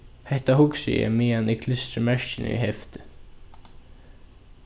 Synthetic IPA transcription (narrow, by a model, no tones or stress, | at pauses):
hɛht̪ahʊksɪ̰jɛ̰mɪːanikʰlɪst̪ɾɪmɛɹ̥cɪnɪ̰ḭɦɛft̪ɪ̥